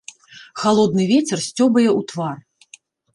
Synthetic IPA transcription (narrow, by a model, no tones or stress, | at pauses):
xalˠɔd̪̚nɨvʲet͡sʲɛrsʲt͡sʲɔbɐjɛut̪var